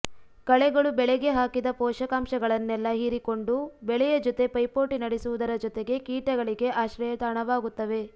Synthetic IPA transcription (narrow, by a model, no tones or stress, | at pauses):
kɐɭɛɡɐɭubɛɭɛɡe̞ɦaːkid̪ɐpɔːʃɐkaːmʃɐɡɐɭɐnːɛlːɐɦiɾiko̞ɳɖubɛɭɛjɐd͡ʒɔt̪e̞pɐjpoːʈinɐɽesuʋud̪ɐɾɐd͡ʒɔt̪eɡe̞kiːʈɐɡɐɭiɡe̞ʔaːʃɾɐjɐt̪aːɳɐʋaːɡut̪ːɐʋe̞